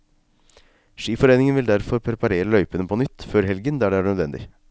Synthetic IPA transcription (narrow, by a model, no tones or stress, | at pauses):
ʂiːfɔɾeːnɪŋənʋɪld̪æɾfɔɾpʰɾɛpɑɾeːɾəlœʏpənəpʰɔːnʏt̪ːføːɾɦɛlɡənd̪æɖɛæːɳøːd̪ʋɛnd̪ɪ̰